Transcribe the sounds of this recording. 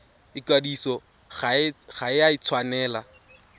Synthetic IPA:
ɪkadisɔ | χaχaɪjait͡sʰwanɛːla

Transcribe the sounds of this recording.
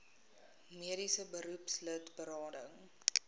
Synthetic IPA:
miəɾisəbəɾupslətbəɾɑːdəŋ

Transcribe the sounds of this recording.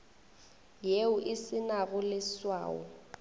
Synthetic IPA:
jeʊʔɪsɪnaɣʊlɪswa̰ːɔ̰

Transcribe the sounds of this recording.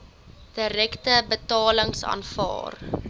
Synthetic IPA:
d̥əɾɛktəbətɑːləŋsɑ̰ːnfɑ̰ːr

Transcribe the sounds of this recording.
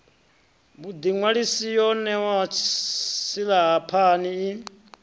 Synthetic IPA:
bud̪iŋwaɺisijɔnɛwat͡ʃʰsilaɦapʰaniː

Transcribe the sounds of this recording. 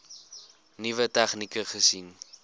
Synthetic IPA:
nivətæχnikəχəsin

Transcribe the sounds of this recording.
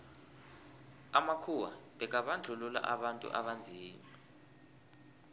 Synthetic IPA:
amakʰuwa̰ɓɛk̬ʼaɓand͡ɮʱulula̰ʔaɓantʼṵʔaɓand͡zʱiːma

